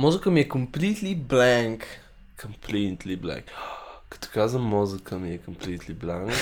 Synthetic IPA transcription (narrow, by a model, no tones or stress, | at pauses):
mɔzəkəmiɛkəmplit̪liblɛ̃ŋk | kəmplit̪liblɛ̰̃ŋkkɐ̥t̪ɔ̥kazvəmːɔzəkʰəmiɛkəmplit̪ʰliblãŋk